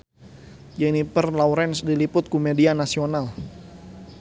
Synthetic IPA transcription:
d͡ʒɛnipərlauɾɛnsdilipʊt̪̚kumedianasional

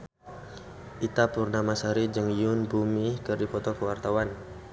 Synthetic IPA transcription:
ʔit̪apurnamasaɾid͡ʒəŋjʊnbumikərdipɔt̪ɔkəwart̪awan

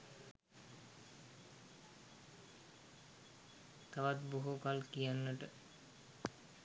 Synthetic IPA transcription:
t̪aʋat̪buɦukalkijanːəʈə

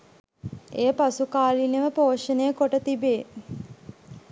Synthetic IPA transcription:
eːpasukaːlinəʋəpoːʂənəjəkoʈət̪ibeː

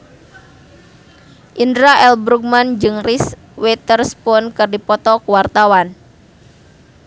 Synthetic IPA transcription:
ʔindɾaʔɛlbɾuk̚mand͡ʒɨŋris | wɛt̪ərspɔnkɨrdipɔt̪ɔkuwart̪awan

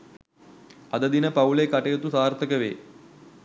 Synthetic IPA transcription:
ɐd̪əd̪inəpaulekaʈejət̪usaːrt̪əkəʋḛː

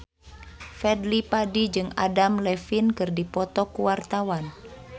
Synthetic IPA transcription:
fɛdlipadid͡ʒɨŋa̰damlɛfinkɨrdipɔt̪ɔkuwart̪awan

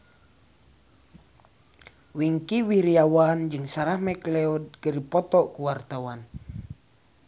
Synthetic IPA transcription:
wiŋkiwiɾiawand͡ʒɨŋsaɾahmɛklɛɔd̚ɡ̥əɾipɔt̪ɔʔkuwart̪awan

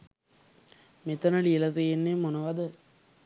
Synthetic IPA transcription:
met̪ɐnəɭielɐt̪ejenːemonəʋad̪ə

